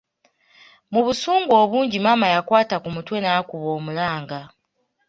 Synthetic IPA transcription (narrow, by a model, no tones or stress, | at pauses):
muβusuːŋɡwo̞ːβuːɲɟimamajakwaːtakumutwe̞nakuβoːmulaːŋɡa